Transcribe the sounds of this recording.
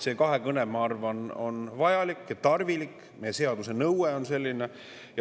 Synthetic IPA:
se̞kɑɦekɤnemɑɑrvɑno̞nvɑjɑlikːˑjɑt̪ɑrvilik | mejese̞ɑd̪̥use̞nɤweo̞nse̞lʲːine̞ | jɑ

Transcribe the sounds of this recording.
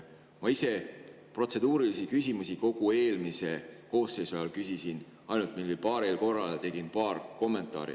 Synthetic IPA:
mɑise̞ | pro̞t̪se̞d̪̥uːɾilisikysʲimusiko̞ɡ̥ue̞ːlmise̞ko̞ːsːe̞jsuɑjɑlkysisin | ɑjnult̪milːilpɑːɾelko̞rːɑlt̪e̞ɡ̥impɑːrko̞mːe̞nt̪ˑɑ̰ːɾḭ

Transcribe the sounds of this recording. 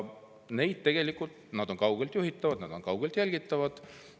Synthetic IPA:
ne̞jd̪̥̚t̪e̞ɡ̥e̞likːˑult̪nɑd̪̥o̞nkɑwɡ̥elt̪juɦit̪ːˑɑvɑd̪̥nɑd̪̥o̞nŋkɑwɡ̥elt̪jælʲɡ̥it̪ˑːɑvɑd̪̥

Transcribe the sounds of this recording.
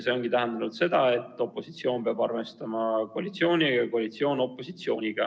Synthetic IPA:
se̞o̞ŋɡ̥it̪æɦend̪ɑnud̪̥se̞d̪̥ɑe̞t̪ˑːo̞pːˑo̞sit̪sio̞ːnpeɑbɑrmest̪ɑmɑkoɑlʲit̪sio̞ːnʲijɑko̞ɑlʲit̪sio̞ːno̞pːˑo̞sit̪sio̞ːnʲiɡ̥ɑ

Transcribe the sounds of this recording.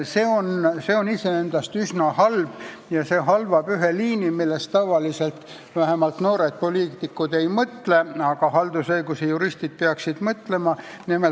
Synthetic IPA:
se̞ːo̞nse̞o̞nise̞end̪̥ɑst̪ysnɑhɑlb̥ | jɑse̞ːɦɑlvɑb̥yɦeliːnimilːest̪t̪ɑvɑlise̞lt̪ | væɦemɑlt̪noːɾe̞d̪̥̚po̞liːt̪ikːud̪̥e̞jmɤt̪leɑɡ̥ɑɦɑld̪̥usɤjɡ̥usejuɾist̪id̪̥̚peɑksid̪̥mɤt̪le̞mɑ | nime

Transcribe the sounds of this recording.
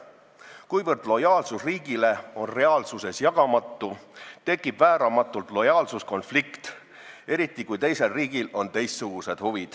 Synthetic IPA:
kujvɤrd̪̥lo̞jɑːlsusriːɡ̥ile̞o̞nre̞ɑːlsuse̞sjɑɡ̥ɑmɑt̪ˑːut̪e̞kːˑib̥væːɾɑmɑt̪ːˑult̪ˑlo̞jɑːlsusko̞nflikt̪ | e̞ɾit̪ːˑikujt̪e̞jse̞lriːɡ̥ilo̞nt̪e̞jst̪suɡ̥use̞d̪̥huvid̪̥

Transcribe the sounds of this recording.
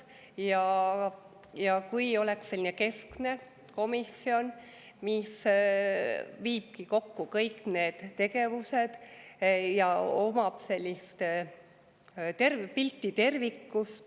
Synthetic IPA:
jɑ | jɑkujo̞leksːe̞lʲːineke̞skne̞ | ko̞misio̞n | mis | viːb̥̚kiko̞kːukɤjkne̞ːd̪̥t̪e̞ɡe̞vuse̞d̪̥ | jɑomɑb̥se̞lʲːist̪ | t̪erpilt̪ːˑit̪e̞rvikːust̪

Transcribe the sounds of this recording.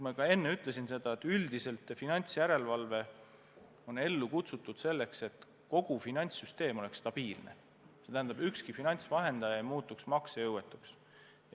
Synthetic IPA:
mɑkɑe̞nːeyt̪ːˑle̞sinse̞d̪̥ɑe̞t̪ːyld̪̥ise̞lt̪ːˑfinɑnʲt̪sjæɾe̞lvɑlve̞ | o̞ne̞lːukut̪sut̪ːˑud̪̥se̞lːe̞kse̞t̪ˑ | ko̞ɡ̥ufinɑnʲt̪syst̪e̞ːmo̞lekst̪ɑb̥iːlnḛ | se̞t̪æɦænd̪̥ɑbykskifinɑnʲt̪svɑɦe̞nd̪ɑjɑejmuːt̪ːˑuksmɑksejɤwet̪ːˑuks

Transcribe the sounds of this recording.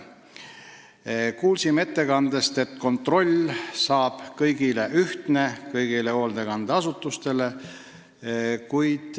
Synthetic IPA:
kuːlsime̞t̪ːe̞kɑnd̪est̪e̞t̪ːˑko̞nt̪ro̞lʲsɑːb̥kɤjɡ̥ile̞ʔyht̪ne̞kɤjɡ̥ile̞ho̞ːld̪ekɑnd̪eɑsut̪ːˑust̪e̞le̞ | kujd̪̥

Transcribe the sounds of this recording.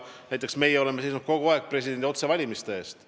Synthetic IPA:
næjt̪ːˑe̞ksme̞jeole̞mesejs̬nud̪̚ko̞ɡ̥uɑe̞k̚pre̞s̬ʲid̥̪e̞nd̪ʲio̞t̪se̞vɑlʲimist̪e̞e̞ːst̪

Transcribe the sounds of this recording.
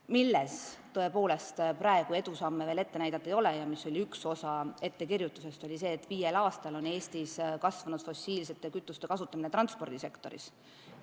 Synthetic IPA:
milːest̪ːɤe̞po̞ːle̞st̪pɾɑe̞ɡ̥ue̞d̪̥usɑmːeve̞le̞t̪ːe̞næjd̪ɑt̪ːˑejo̞lejɑmisːo̞lʲiykso̞sɑe̞t̪ːe̞kirjut̪ːˑuse̞st̪o̞lʲis̬e̞ːt̪ːˑviːjelɑːst̪ɑlo̞ne̞ːst̪iskɑsvɑnud̪̥fo̞sʲiːlse̞t̪ːˑe̞kyt̪ːˑust̪e̞kɑsut̪ːˑɑminet̪ɾɑnt̪spo̞rd̪̥ise̞kt̪o̞ɾḭs

